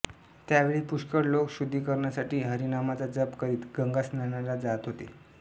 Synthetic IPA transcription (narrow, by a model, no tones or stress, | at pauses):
t̪jaʋeɭiːpuɕkəɽlokɕud̪ʱːiːkəɾɳjasaʈiːɦəɾinamat͡sad͡zəpkəɾiːt̪ɡəŋɡasnanalad͡zat̪ɦot̪ḛ